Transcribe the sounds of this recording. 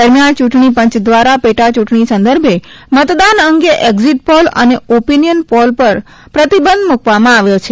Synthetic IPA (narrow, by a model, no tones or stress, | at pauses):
əɾmjãnt͡ʃuʈɳipə̃ɲt͡ʃd̪ʋaɾapeʈat͡ʃuʈɳisə̃nd̪əɾbʱe | mət̪d̪anəŋɡeʔekziʈ̚pɔlə̰neopinijənpɔlpəɾ | pɾət̪ibənd̪mukʋamãaʋjot͡ʃʰe